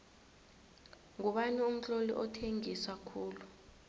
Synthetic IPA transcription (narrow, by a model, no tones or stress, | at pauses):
ŋuɓanium̩t͡ɬolḭʔɔtʰeŋiswakʰuːlu